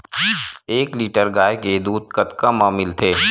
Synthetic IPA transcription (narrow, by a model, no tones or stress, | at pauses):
eːkliːʈəɾɡaːjked̪uːd̪̚kɐt̪kamaːmɪlt̪ʰeː